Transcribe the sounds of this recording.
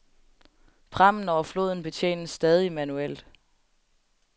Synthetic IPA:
pʰʁɑm̰n̩ɒʊɐflo̝̰ːðˠn̩b̥e̝t͡sʰjḛːnəsːd̥ɛːð̞ˠimænuel̰d̥

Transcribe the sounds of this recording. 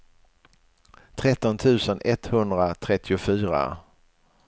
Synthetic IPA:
t̪ʰɾɛt̪ːɔnt̪ʰʉ̟ːsənʔɛt̪hɵnd̪ɾat̪ʰɾɛt̪ʰːɪʊfyːɾa̰

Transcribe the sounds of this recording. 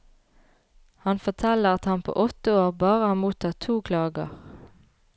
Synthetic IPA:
hɑnfɔt̪ʰɛləʁɑt̪hɑnpʰo̰ːʔɔt̪əoːʁbɑːʁəɑmuːt̪ʰɑːt̪ʰuːkʰlɑːɡə̰ʁ

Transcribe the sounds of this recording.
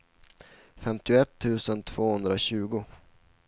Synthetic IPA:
fɛmt̪ɪʊɛt̪ʰːʉ̟ːsənt̪ʰv̥oːhɵnd̪ɾaɕʉ̟ːɡʊ

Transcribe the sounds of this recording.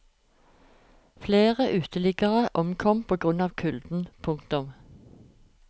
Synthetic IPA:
fleːʁəʔʉːt̪ʰəlɪɡəʁəʔɔmkʰɔmpʰoːɡʁʉnɑːʋkʰʉld̪̥n̩pʰʊŋkt̪ʊm

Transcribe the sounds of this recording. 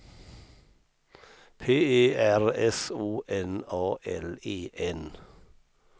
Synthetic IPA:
pʰeːeːʔæʁɛsuːʔɛnɑːʔɛleːʔɛn

